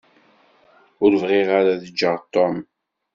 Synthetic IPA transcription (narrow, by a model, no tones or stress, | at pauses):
ʊɾvʁiʁaɾaðəd͡ʒːəʁt̪ːɔm